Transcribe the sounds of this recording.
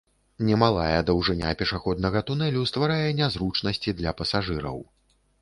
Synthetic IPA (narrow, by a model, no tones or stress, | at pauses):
nʲɛmalˠa̰jɛd̪ɐwʐɨnʲa̰pʲɛʂaxɔd̪nɐɣɐt̪unɛlʲust̪vaɾajɛnʲazɾut͡ʂnɐsʲt͡sʲid̪lʲɐpɐsaʐɨɾɐ̰w